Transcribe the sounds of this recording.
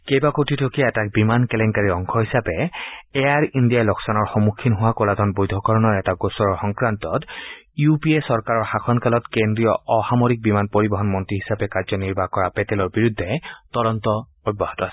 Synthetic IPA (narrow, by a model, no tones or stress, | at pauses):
kejbakotitʰokiaɛtak̚bimankɛlɛŋkaɹiɔŋkʰɔɦisapɛɛjaɹindijajlɔksanɔɹxɔmukʰːinɦʊwakoladʱɔnbojd̪ʱɔkɔɹɔnɔɹɛtaɡosɔɹɔɹxɔŋkɹantɔt | jupiesɔɹkaɹɔɹxakʰɔnkalɔtkendɹijɔɔxamoɹik̚bimanpoɹibɔɦɔnmɔntiɦisapɛkaɹzɔniɹbakɔɹapɛtɛlɔɹbiɹudʱːɛtɔdɔntɔ | ɔj̚bɔɦatɔasɛ̥